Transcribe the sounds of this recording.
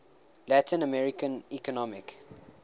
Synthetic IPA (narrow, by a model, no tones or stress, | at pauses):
lætĩnəmɛɹikə̃nikɔnɔmɪk